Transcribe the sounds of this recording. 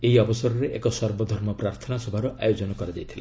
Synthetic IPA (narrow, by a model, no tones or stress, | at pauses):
eɦiɔbɔsɔɾɔɾeʔḛkɔsɔɾbɔd̪ʱɔɾmɔpɾaɾt̪ʰɔnasɔbʱaɾuʔajod͡ʒɔnɔkɔɾad͡ʒajt̪ʰila